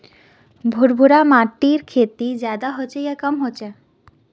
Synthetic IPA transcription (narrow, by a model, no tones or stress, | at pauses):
bʱuɾbʱuɾamaʈːiɾkʰet̪id͡ʑad̪aɦot͡ɕʰejakɔmɦot͡ɕʰe